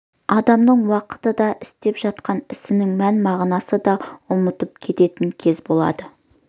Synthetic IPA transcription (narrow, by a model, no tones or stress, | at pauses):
ɑd̪ɑmnəɴwɑqə̥t̪əd̪ɑʔɪst̪e̞pʒɑt̪̚qɑnɪsɪnɪŋmænmɑʁnɑsəd̪ɑʊmət̪əp̚kʲʰe̞t̪e̞t̪ɪŋkʲʰe̞zbo̞lˠɑ̰d̪ə